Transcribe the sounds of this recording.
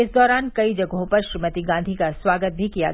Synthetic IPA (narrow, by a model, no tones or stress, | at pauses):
ɪsd̪ɔːɾaːnkɐid͡ʒɐɡɦõpɐɾʃɾimət̪iɡãːnd̪ʱikaswaːɡət̪̚bʱikija̰ɡ